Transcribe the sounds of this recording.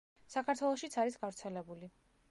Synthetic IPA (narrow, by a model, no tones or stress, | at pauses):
sakʰaɾt̪ʰwɛlˠɔʃit̪sʰaɾisɡavɾt̪sʰɛlɛbuli